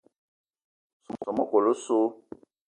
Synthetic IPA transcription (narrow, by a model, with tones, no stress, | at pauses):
su˨m̩˨sɔ˨mo˦ko˨lo˦so˦